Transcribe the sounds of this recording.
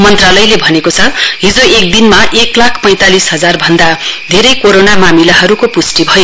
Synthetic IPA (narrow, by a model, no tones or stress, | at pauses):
mʌnt̪ralʌjlebʱʌnekot͡sʰʌɦid͡zoek̚d̪inmaʔeklakʰpʌj̃t̪alisɦʌd͡zarbʱʌnd̪ad̪ʱeɾʌjkoɾonamamilaɦʌɾukopusʈibʱʌjo